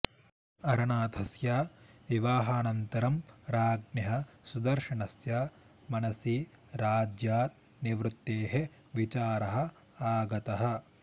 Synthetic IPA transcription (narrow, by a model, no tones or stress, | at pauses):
ɐɾɐɳaːt̪ɐsjaːʋiʋaːɦaːnɐnt̪ɐɾɐmɾaːɡnjɐɦɐsud̪ɐɾʃɐɳɐsjaː | mɐnɐsiː | ɾaːd͡ʒjaːt̪̚ | niʋɾut̪ːeːɦe | ʋit͡ʃaːɾɐɦɐ̆ | aːɡɐt̪ɐɦɐ̆